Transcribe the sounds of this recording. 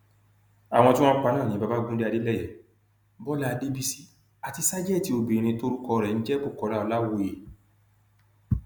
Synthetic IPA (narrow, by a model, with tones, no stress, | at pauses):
a˨w̃ɔ̃˧tĩ˦w̃ɔ̃˦k͡pa˧nãː˦˨nĩ˨˦ba˧˦ba˦ɡũ˦de˦a˧de˦lɛ˦˨jɛ˨˦ | bɔ˦la˦˧de˦bi˦˧si˦ | a˨ti˧sa˦d͡ʒɛ˦˨ti˨˦o˧bi˨ɾ̃ĩ˧to˧˦ɾu˦kɔ˧ɾɛ˨n̩˦d͡ʒɛ˦bu˦˨kɔ˨˦ɾa˦ɔ˧la˦wo˧je˨